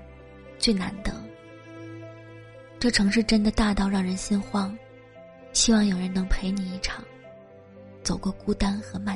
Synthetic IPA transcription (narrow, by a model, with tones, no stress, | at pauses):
t͡swe˥˩ɪna̰˧˥nd̪ə˧ | ʈ͡ʂɤ˥˩ʈ͡ʂʰɤ˧˥ŋʂɻ̩˥˧ʈ͡ʂə˥nd̪ə˨t̪a˥˧t̪ɑ˥˧ʊɻɑ˥˩ŋɻə˧˥nɕi˥nxwɑ˥ŋ | ɕi˥wɑ˥˩ŋjo˨˩ʊɻə˧˥nɤ˧˥ŋpʰe˧˥ɪni˨˩i˥˩ʈ͡ʂʰɑ˨˩˦ŋ | t͡so˨˩ʊkwɔ˥˩ku˥t̪a˥nxɤ˧˥ma˥˩